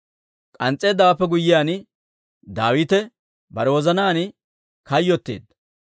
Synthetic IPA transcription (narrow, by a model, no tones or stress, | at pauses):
kʼɐnt͡sʼːe̞ːd̪ːɐwɐpːɛɡʊjːɪjaːn | d̪aːwiːt̪ɛ | bɐɾɛwɔzɐnaːn | kɐjːɔt̪ːḛːd̪